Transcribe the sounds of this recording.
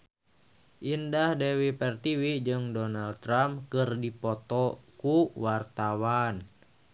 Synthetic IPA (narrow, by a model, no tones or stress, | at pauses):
ʔindahdɛwipɛrt̪iwid͡ʒɨŋdɔnald̚t̪ːɾamkɨrdipɔt̪ɔkuwart̪awan